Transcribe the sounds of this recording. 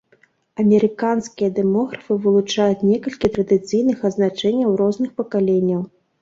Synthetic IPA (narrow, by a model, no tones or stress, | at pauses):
ɐmʲɛɾɨkanskʲijɐd̪ɛmɔɣɾɐfɨvɨlˠut͡ʂajut͡sʲnʲɛkɐlʲkʲit̪ɾɐd̪ɨt̪sɨjnɨxɐznat͡ʂɛnʲːɐwɾɔznɨxpɐkalʲenʲːɐw